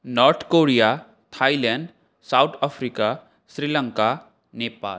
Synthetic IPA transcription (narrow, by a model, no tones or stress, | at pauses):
nɔɾt̪ʰkoɾija | t̪ʰajlɛɳɖ | sawt̪ʰapʰɾika | sɾilə̃ŋka | nepa̰ːl